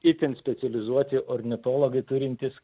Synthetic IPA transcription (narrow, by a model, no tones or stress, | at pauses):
ɪt̪ʲɪnsʲpʲɛt̪sʲɛlʲɪzuɔt̪ʲɪʔɔɾʲnʲɪt̪oːlˠoːɡɐɪt̪ʊɾʲɪnʲt̪ʲɪs